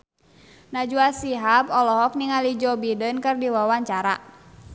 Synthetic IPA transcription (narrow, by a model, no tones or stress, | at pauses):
nad͡ʒuasiɦapɔlɔɦɔk̚niŋalid͡ʒɔbidənkɨrdiwawaɲt͡ʃaɾa̰